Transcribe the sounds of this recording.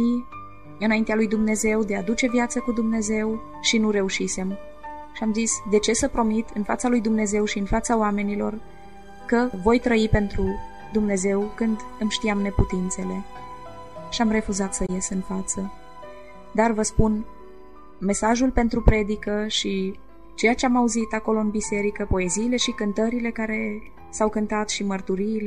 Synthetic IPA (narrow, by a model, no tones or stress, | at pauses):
i | ɨnaint̪ealujd̪umne̞ze̞wd̪e̞ad̪ut͡ʃe̞vjat̪səkud̪umne̞ze̞w | ʃinuɾe̞uʃise̞m | ʃiamzisd̪e̞t͡ʃe̞səpɾo̞mit̪ɨnfa̰t̪salujd̪umne̞ze̞wʃiɨnfat̪saoame̞nilo̞̰r | kəvo̞jt̪ɾəipe̞nt̪ɾu | d̪umne̞ze̞wkɨnd̪ɨmʃt̪iamne̞put̪int̪se̞le̞ | ʃiamre̞fuzat̪səje̞sɨnfat̪sə | d̪arvəspun | me̞saʒulpe̞nt̪ɾupɾe̞d̪ikəʃi | t͡ʃe̞jat͡ʃeamauzit̪ako̞lo̞ɨnbise̞ɾikəpo̞e̞ziːle̞ʃikɨnt̪əɾile̞kaɾe̞ | sawkɨnt̪at̪ʃimərt̪uɾiːl